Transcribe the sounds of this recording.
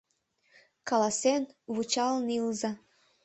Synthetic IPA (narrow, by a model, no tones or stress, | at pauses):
kɑlɑsenβut͡ɕɑlnilzɑ